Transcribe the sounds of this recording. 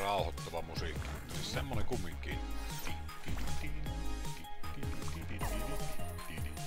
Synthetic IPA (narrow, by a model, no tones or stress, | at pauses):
rɑˑuhot̪ːoʋɑmusiːkːimut̪ːɑsissemːoneŋkumːˑiŋkii | it̪it̪ːiiiiii